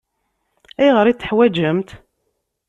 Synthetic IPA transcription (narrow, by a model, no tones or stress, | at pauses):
æjʁəɾit͡s̪ːə̥ħwæd͡ʒəmt̪